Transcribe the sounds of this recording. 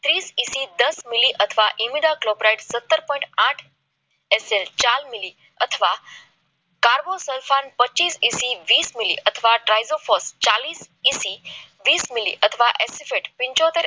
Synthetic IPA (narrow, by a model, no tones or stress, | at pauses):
t̪ɾiːsisid̪əsmiliʔət̪ʰəʋaʔimiɖaklopɾajɖsət̪ːəɾpɔ̃ĩʈãʈʰ | eselt͡ɕalmili | ət̪ʰəʋa | kaɾbosəlfanpətːt͡ɕiːsisiʋiːsmilḭʔət̪ʰəʋaʈɾajzofɔst͡ɕaliːsisi | ʋiːsmilḭʔət̪ʰəʋaʔesifeʈpiɲt͡ɕɔt̪eɾ